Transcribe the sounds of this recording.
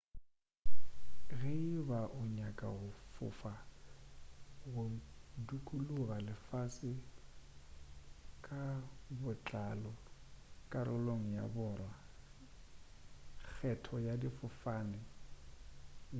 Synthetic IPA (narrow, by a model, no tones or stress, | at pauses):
ɣɪbaʔʊɲakʼa̰ɣʊfʊ̰fa | ɣʊdukʼuluɣalɪfasɪ | kʼabʊt͡ɬʼalɔ | kʼaɾʊloŋ̩ja̰bʊːrwa | k͡xʰɛtʰɔjadifʊfanɪ